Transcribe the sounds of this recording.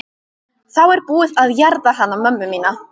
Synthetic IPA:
θawɛɾbuːðaðjɛɾðaɦanːamœmːʏmiːna

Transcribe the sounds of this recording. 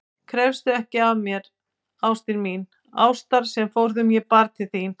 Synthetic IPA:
kʰɾɛvst̪ʏɛhcɪavmjɛɾ | awst̪ɪnmin | a̰ːwst̪aɾ̥sɛmfowɾðʏmjɛpaɾt̪ʰɪθin

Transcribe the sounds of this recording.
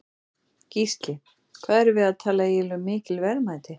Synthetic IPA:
cist̪lɪ | kʰv̥aːðɛɾvɪðaðt̪ʰaːlaɛlʏmɪːcɪlvɛɾmaːjt̪ɪ

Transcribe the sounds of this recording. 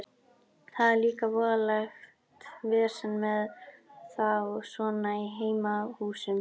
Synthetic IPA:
θaðɛɾliːkavɔːðalax | t̪vɛːɾ̥sɛnmɛðθawsɔːnaiɦeːjmahuːsʏm

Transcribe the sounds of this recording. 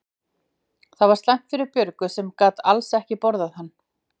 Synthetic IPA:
θaðvaɾst̪ajŋ̥t̪fɪɾɪɾpjʏɾkʏsɛmkaːt̪alsɛhcɪpɔɾðaðhanː

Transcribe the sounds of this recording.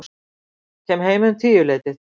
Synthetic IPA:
cʰɛmɦeːjmnt̪ʰiːjʏleːjt̪ɪθ

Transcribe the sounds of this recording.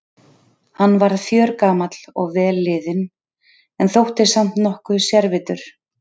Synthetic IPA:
hanːvaɾðθjœːɾkaːmat̪l̥ɔɣvɛːlːɪːðɪn | ɛnθowht̪ɪsam̥t̪nɔhkvʏsjɛɾvɪt̪ʏɾ̥

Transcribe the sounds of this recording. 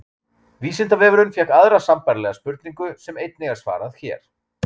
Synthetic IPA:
viːsɪnt̪avɛːvʏɾʏnfjɛkaðɾasampaɾlɛɣaspʏɾt̪niŋkʏsɛmejt̪̚nɪɣaɾ̥sva̰ːɾaðçɛ̰ːɾ̥

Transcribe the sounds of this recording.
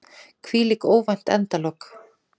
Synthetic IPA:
kʰviːlikoːwvajn̥t̪ɛ̰nt̪alɔk

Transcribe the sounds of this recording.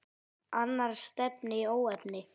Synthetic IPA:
anːaɾ̥st̪ɛpnɪoːwɛpnɪ

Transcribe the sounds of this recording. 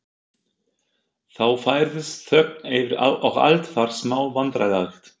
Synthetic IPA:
θawfaːjɾðɪst̪θœk̚nejvɪɾa̰ʔɔɣa̰lt̪faɾ̥smaːwvant̪ɾalaxt̪

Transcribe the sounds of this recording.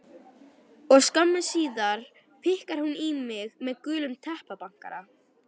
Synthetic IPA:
ɔɣskamːasiːðaɾ̥ | fɪhkaɾ̥hunimɪɣmɛðkʏːlʏmt̪ʰɛhpapaŋ̥kaɾa

